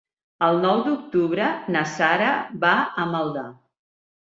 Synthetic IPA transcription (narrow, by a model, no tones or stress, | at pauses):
əlˠnɔwd̪uk̚t̪uβɾənəsaɾəbaəməlˠd̪a